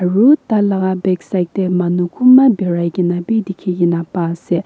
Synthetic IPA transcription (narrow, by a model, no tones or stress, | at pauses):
ɹut̪alakabeksajk̚t̪emanukʰumːabiɹaɡinabid̪ikʰijinapase